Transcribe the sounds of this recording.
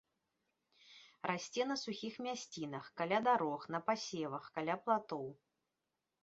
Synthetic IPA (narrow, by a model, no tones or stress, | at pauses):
rʔasʲt͡sʲɛnɐsuxʲixmʲasʲt͡sʲin̪ɐxkalʲad̪aɾɔxnɐpasʲɛvɐxkalʲaplˠat̪ɔw